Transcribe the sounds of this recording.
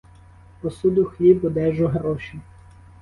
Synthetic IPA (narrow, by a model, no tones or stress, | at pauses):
pɔsud̪ʊxlʲibɔd̪ɛʒɔɦɾɔʃi